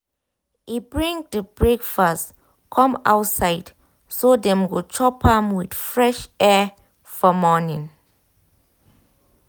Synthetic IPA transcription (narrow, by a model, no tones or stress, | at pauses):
ibɹĩŋdəbɹekfas | kʰɔ̃ma̰wtsajd | sodɛ̃mɡot͡ʃʰɔpʰãmwidfɹɛʃɛ | fɔmɔnĩŋ